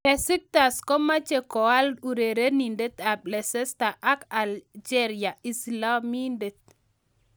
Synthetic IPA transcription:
kɛ˨sɪ˦k̚t̪a˨skɔ˦ma˦t͡ʃe˨kɔ˨a˦lu˨ɾe˨ɾe˦ni˨nde˦t̪a˨blɛ˨sɛ˦sta˨ʔa˦ka˨ld͡ʒɛ˦ɾi˨a˨i˨sla˦mi˦nde˨t̪̚

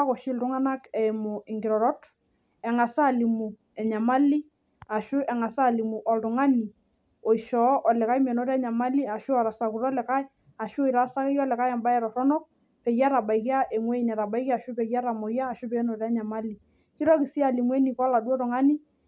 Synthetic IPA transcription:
a˦kɔ˨ʃɪ˦ltʊ˦ŋa˦na˦kɛ˨mʊ˨ɪ˨ŋɡɪ˨ɾɔ˨ɾɔ˦t | ɛ˨ŋa˨sa˦˨li˨mu˨ | ɛ˨ɲa˨ma˦li˦ | a˨ʃʊ˦ʔɛ˨ŋa˨sa˦˨li˨mu˨ʔɔ˨ltʊ˨ŋa˦ni˨ | ɔ˨iʃɔ˨˦ʔɔ˨lɪ˨ka˦i˦m˨ɛ˨nɔ˦ɾɛ˦ɲa˨ma˦li˦a˨ʃʊ˦ɔ˨ɾa˨sa˨ku˨ɾɔ˦lɛ˨ka˦j | a˨ʃʊ˦i˨ɾa˨˦sa˦kɛ˦jɔ˦lɛ˨ka˦jɛ˨mba˦ɛ˨ɾɔ˨tɔ˦nɔ˦k̚ | pɛ˨ja˦ɾa˨ba˨iki˦a˦ʔe˨mwe˦i˨nɛ˨ɾa˨ba˦i˦ki˦a˨ʃʊ˦pɛ˨ja˦ɾa˨mɔ˨jaː˦˨ʃʊ˦pɛ˨˦nɔ˨ɾɛ˦ɲa˨ma˦li˨ | kɪ˦ɾɔ˦kɪ˨si˦a˨li˨mwɛ˦ni˨kɔ˦la˨du˦ɔ˦tʊ˨ŋa˦ni˦

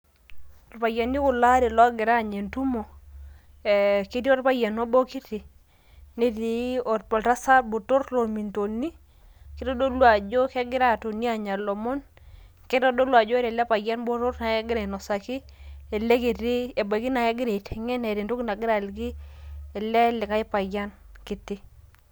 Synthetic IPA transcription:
o˨ɾpa˨ja˨ni˦kʊ˨la˦ɾi˨lɔ˦ɡɪ˨ɾa˦˨ɲe˨ntu˦mo˨ | e˨ki˦ti˦ɔ˦ɾpa˦ja˨no˦bo˦ki˦tɪ˨ | ni˦ti˨˦ɔ˨tpɔ˨lta˦sa˦bo˨to˦ɾlo˨mi˨nto˨ni˦ | kɪ˦tɔ˦do˦lwa˨d͡ʒo˦kɛ˦ɡɪ˦ɾa˦˨to˨ni˦a˨ɲa˨lɔ˨mɔ˦n | kɪ˦tɔ˦do˦lwa˨d͡ʒɔ˦ɾɛ˨lɛ˦pa˨ɡa˦nbo˦ɾo˦tna˨ɛ˦ɡɪ˦ɾe˨nɔ˨sa˨ki˦ | e˨le˦ki˨ti˦e˨ba˨ɡi˦na˨jɛ˦ɡɪ˦ɾe˨tʰe˨ŋe˦na˨ɾe˨ntu˦kna˨ɡɪ˦ɾa˨lɡɪ˦ɛ˨lɛ˦lɪ˨ka˦ɪ˦pa˨ɡa˦n | kɪ˨tɪ˦

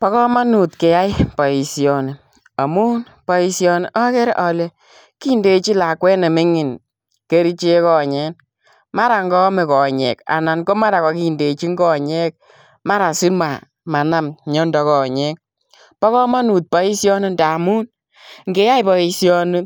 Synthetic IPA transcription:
pɔ˨˦kɔ˦ma˦nu˨tke˨ja˦i˦pɔ˨i˨sjɔ˨ne˨ | a˨mu˦n | pɔ˨i˨sjɔ˧ne˨ʔɔ˦kɛ˦ɾʔɔ˨le˨ | ki˦nde˨˦t͡ʃi˦la˨kwɛ˦ne˨mɪ˦ŋɪ˨n | ke˦ɾi˦t͡ʃe˦kɔ˨ɲɛ˦n | ma˦ɾa˨ŋɡɔ˦me˨kɔ˨ɲɛ̰˨ka̰˨na˨nko˦ma˦ɾa˨kɔ˨ki˦nde˨t͡ʃi˦ŋɡɔ˨ɲɛ˦k̚ | ma˦ɾa˨si˦ma˨ | ma˨na˦mɲɔ˦ndɔ˨˦kɔ˨ɲɛ˦k̚ | pɔ˦kɔ˦ma˦nu˨t̚pɔ˦i˦sjɔ˦ni˦nda˨mu˦n | ŋɡe˨ja˦jpɔ˨i˨sjɔ˦ni˦

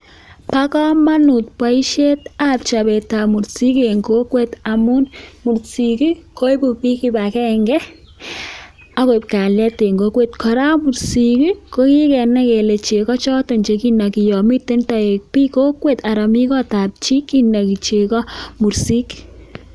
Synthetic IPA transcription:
pa˦kɔ˦ma˦nu˨t̚pwa˨i˦ʃe˦ta˨p̚t͡ʃa˨bɛ˨ta˨mu˨ɾsi˦ke˨ŋɡo˦kwe˦ta˨mu˦nmu˨ɾsi˨ki˦ko˦i˦bu˨ki˦ki˦ba˨kɛ˦ŋɡɛ˦ | a˦ko˨i˨p̚ka˨ljɛ˦te˨ŋɡo˨˦kwe˦tkɔ˨ɾa˦mu˨ɾsi˨ki˦ko˦ki˦kɛ˨nɛ˦kɛ˨le˨t͡ʃe˨kɔ˦t͡ʃɔ˦tɔ˨ɲt͡ʃe˨ki˦na˨ki˨jɔ˨mi˦tːe˦nta˨e˨k̚pi˦ko˦kwe˦˨ta˨ɾa˨mi˦kɔ˦ta˨p̚t͡ʃi˦kːi˦na˨ki˨t͡ʃe˨kɔ˦mu˨ɾsi˦k

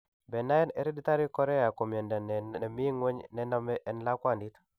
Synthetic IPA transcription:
bɛ˨na˦jɛ˦nɛ̰˨ɾi˦di˦ta˦ɾi˦kɔ˦ɾɛ˦ja˨ko˨m˨e˨nda˨nɛ˨ɛ˨mi˦ŋwɛ˦ɲnɛ˦na˦mɛ˦ʔɛ˦nla˦kwa˨ndi˦t

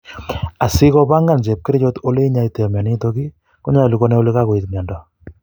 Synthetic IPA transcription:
a˨si˦kɔ˦pa˦ŋɡa˨nt͡ʃe˨p̚kɪ˦ɾt͡ʃo˦to˦le˦i˦ɲa˦ite˨mɛ˨ni˦to˦ki˦ | ko˦ɲa˦˨li˨ko˦ne˦o˦le˦ka˦ko˨itɲɛ˨ndɔ˨

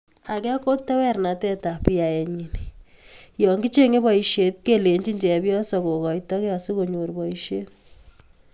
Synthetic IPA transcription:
a˨kɛ˦ko˦ttɛ˦wɛ˦rna˨tɛ˦ta˨pi˦ja˨jɛ˨ɲi˨ni˨ | jɔ˨ŋɡi˦t͡ʃe˦ŋe˦bɔ˨i˨ʃje˨t̚ke˦le˨ɲt͡ʃi˦ɲd͡ʒɛ˨pjɔ˦sɔ˨ko˨kɔ˨jtɔ˦kja˨si˦ko˨ɲo˨ɾbɔ˨i˨ʃje˦t

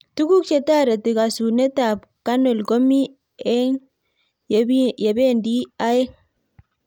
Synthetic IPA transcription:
tu˦ku˦k̚t͡ʃe˨ta˦ɾe˨ti˨ka˨su˨ne˦ta˨p̚ | ka˦no˨lɡo˦mi˦ | ɛ˦ŋ | je˨be˦ndi˦a˦e˦

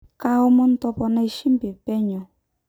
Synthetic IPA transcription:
ka˦ʊ˦mʊ˦n̩˦tɔ˦pɔ˨na˦ʃi˦m˦be˨pɛ˦ɲɔ˨

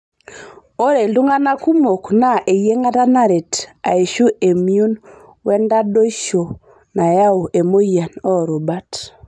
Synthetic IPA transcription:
o˦ɾe˨ldu˦ŋa˦na˦ku˦mo˨kna˦ʔe˨je˦ŋa˦ta˦na˦ɾe˨ta̰˨e˨ʃu˦ʔe˨mi˦u˦n | wɛ˦nda˦do˦i˦ʃo˨ | na˨ja˦o˨ʔe˨mo˦ja˨nɔ˦˨ɾo˨ba˦t

